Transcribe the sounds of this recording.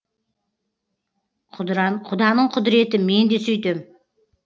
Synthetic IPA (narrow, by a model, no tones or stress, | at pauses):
qʰʊd̪ɑnəɴqʰʊd̪ɾe̞t̪ɪme̞nd̪e̞sɵjt̪e̞m